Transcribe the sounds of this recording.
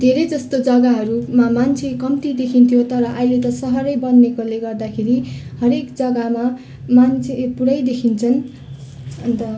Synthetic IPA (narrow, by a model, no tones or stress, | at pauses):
d̪ʱeɾʌd͡zʌst̪od͡zʌɡaɦʌɾumamant͡sʰekʌmt̪id̪ekʰint̪ʰijot̪ʌɾʌʔailet̪ʌsʌɦʌɾʌjbʌnːekoleɡʌrd̪akʰeɾihʌɾekd͡zʌɡama | mant͡sʰepuɽʌjd̪ekʰint͡sʰʌn | ʌnt̪ʌ